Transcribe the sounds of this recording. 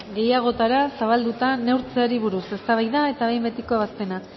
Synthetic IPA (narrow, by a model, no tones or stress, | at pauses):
ɡe̞jaɣ̞o̞t̪aɾasaβald̪ut̪ane̞wɾt͡seaɾiβ̞uɾuse̞st̪aβajðae̞t̪aβejmbe̞t̪ikoβ̞ast̪e̞na